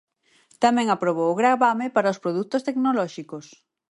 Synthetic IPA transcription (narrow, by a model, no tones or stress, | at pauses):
t̪amɛ̃ŋapɾoβowʊɣɾaβamepaɾɐospɾoðut̪ost̪eknolɔʃikos